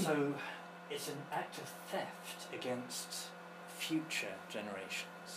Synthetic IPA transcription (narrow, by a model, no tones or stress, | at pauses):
səʊ | ɪtsə̃nak̚tʰəv̥θɛftʰɨɡɛ̃nst | fjʉˑt͡ʃə̰d͡ʒɛnəɹeɪʃə̃nz̥